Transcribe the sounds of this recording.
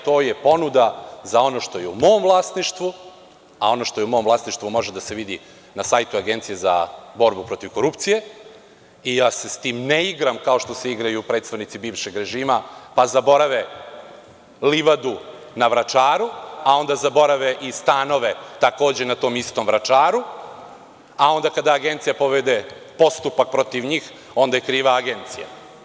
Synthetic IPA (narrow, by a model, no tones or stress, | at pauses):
t̪oːje̞po̞nud̪azao̞no̞ʃt̪o̞jeumo̞ːmvlˠaːsniʃt̪ʋu | ao̞noʃt̪o̞jeum̞ːmvlˠaːsniʃt̪ʋumo̞ʒed̪ase̞ʋid̪i | nasajt̪uaɡent̪sije̞za̰bo̞ɾbupɾo̞t̪iʋko̞ɾupt̪sije̞ | ijaːse̞st̪iːmneiɡɾamkaoʃt̪o̞seiɡɾajupɾet̪st̪aʋnit̪sibiːʋʃe̞ɡɾe̞ʒiːmapazabo̞ɾaʋe | liʋad̪u | naʋɾat͡ʃaːɾuao̞nd̪azabo̞ɾaʋeʔist̪ano̞ʋet̪ako̞ːd͡ʑe̞nat̪o̞ːmist̪o̞mʋɾat͡ʃaːɾu | ao̞nd̪akad̪aːɡe̞nt̪sijapo̞ʋed̪epo̞st̪upak̚pɾo̞t̪iʋɲiːx | o̞nd̪ajkɾiːʋaːɡent̪sija̰